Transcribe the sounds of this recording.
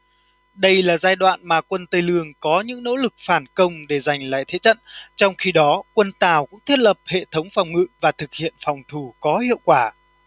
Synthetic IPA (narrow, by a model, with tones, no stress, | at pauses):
ɗə˧jlaː˨˩zaː˧jɗwa̰ː˧˨nmaː˨˩kwə˧nt̪ə˧jlɨ˧˩əŋkɔ˨˦ɲɨ̰˧˥ŋno̰˧˥lɨ˨˩k̚faː˧˩nkə˧wŋ͡mɗe˧˩za˨˩jŋ̟la̰ː˧˨jt̪ʰe˨˦t͡ɕə̰˧˨nt͡ɕɔ˧wŋ͡mxi˧ɗɔ˨˦kwə˧nt̪aː˨˩wkʊ̰˧˥ŋ͡mt̪ʰi˦˥ət̚lə˨˩p̚hḛ˧˨t̪ʰə˨˦wŋ͡mfa˨˩wŋ͡mŋɨ̰˧˨vaː˨˩t̪ʰɨ˨˩k̚hḭ˧˨ənfɔ˨˩wŋ͡mt̪ʰu˧˩kɔ˨˦hḭ˧˨əwkwaː˧˩